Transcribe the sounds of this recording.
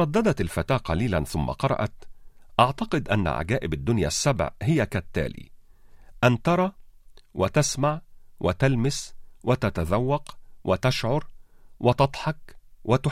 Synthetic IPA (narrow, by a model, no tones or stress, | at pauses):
ɾˤɑd̪ːɑd̪æt̪ɪlfæt̪aːqɑliːlænθʊmːa̰qɑɾˤɑ̰ʔɑ̰t̪ʔɑʕt̪ɑqɨd̪ʔæ̰nːa̰ʕa̰ɡæːʔɪbɪd̪ːʊnjæ̰ːsːabʕhɪjækæt̪ːæ̰ːlḭːʔænt̪ɑɾˤɑːwʔɪt̪asmaʕwʔɪt̪ælmɪswʔɪt̪æt̪æzawːɑqwʔɪt̪aʃʕʊɾˤwʔɪt̪ɑd̪ˤħɑkwʔɪt̪ʊ